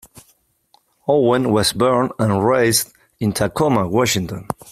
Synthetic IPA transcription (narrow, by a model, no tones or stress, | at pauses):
ɔwə̃nwɔzbɜ˞nə̃nɹeɪzd | ɪ̃ntʰakʰɔməwɔʃɪ̃ŋtə̃n